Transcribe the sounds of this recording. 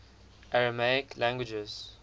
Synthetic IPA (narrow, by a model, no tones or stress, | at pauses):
ʔaɹəmaɪklãŋɡwɪd͡ʒəz̥